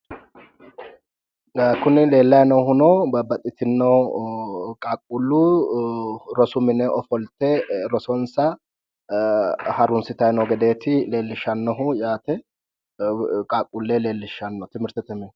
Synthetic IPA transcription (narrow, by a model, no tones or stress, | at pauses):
kʊnɪle̞ːlːɐjnɔwhʊnɔbɐbɐt̪ʼːɪt̪ɪnːɐw | kʼaːkʼːulːu | ɾɔsʊmɪnɛʔɔfɔlt̪ɛɾɔsɔnsɐ | hɐɾʊnsɪt̪ɐjnɔɡɛd̪e̞ːt̪ɪle̞ːlːɪʃːɐnːɔɦʊjaːt̪ɛ | kʼaːkʼulːeːle̞ːlːɪʃːɐnːɔt̪ɪmɪɾt̪ɛt̪ɛmɪ